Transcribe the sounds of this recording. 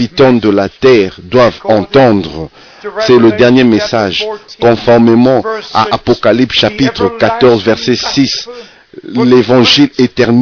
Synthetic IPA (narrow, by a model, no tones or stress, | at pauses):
it̪ɑ̃d̪əlat̪ɛʁd̪wavɑ̃t̪ɑ̃d̪ʁə | sɛləd̪ɛʁnjemesaʒkɔ̃fɔʁmemɑ̃a̰ʔapɔkalipsʃapit̪χəkat̪ɔʁzvɛʁsɛsis | levɑ̃ʒilet̪ɛʁn